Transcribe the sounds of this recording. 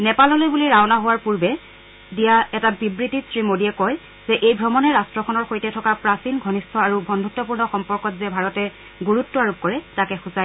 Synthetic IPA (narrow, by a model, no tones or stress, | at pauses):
nɛpalɔlojbuliɹawnaɦowaɹpuɹbɛ | dijaɛtabibɹitisɹimodijɛkɔj | zɛʔejbʱɹɔmɔnɛɹastɹɔkʰɔnɔɹxojtɛtʰɔkapɹasinɡʱɔnistʰɔaɹubʱɔndʱutːɔpuɹnɔxɔmpɔɹkɔtzɛbʱaɹɔtɛ | ɡuɹutːɔaɹup̚kɔɹɛtakɛxusa